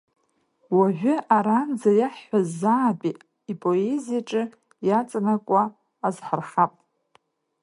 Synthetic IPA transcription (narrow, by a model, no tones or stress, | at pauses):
waʒʷᶣʏʔaɾand͡zajaħːʷazːaːpʼi | ipʼo̞e̞zijaʈ͡ʂʼɨ | jat͡sʼanakʷʼaː | zħarχapʼ